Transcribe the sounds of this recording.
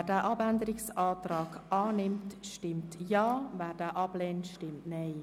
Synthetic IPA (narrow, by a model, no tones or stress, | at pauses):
dɛːʔɑbændəɾɪksɑːtɾɑːkɑːnɪmtʃtɪmtjɑːvɛːɾd̥ɛːʔɑb̥leːntʃtɪmtnɛɪ